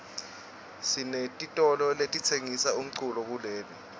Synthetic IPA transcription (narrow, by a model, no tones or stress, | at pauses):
sinetʼitʼɔlɔletʼitʰeŋisaum̩ǀulɔk̬uleːli